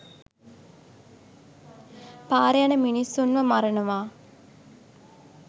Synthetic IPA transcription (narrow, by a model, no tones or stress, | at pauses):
paːɾejanəminisːunʋəmaɾənəʋaː